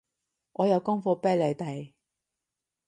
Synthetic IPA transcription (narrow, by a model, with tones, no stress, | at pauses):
ʔɔː˨˧jɐ˨˧wkʊ˥ŋfɔː˧pɛː˥le˨˧jt̪ɐ˨˩j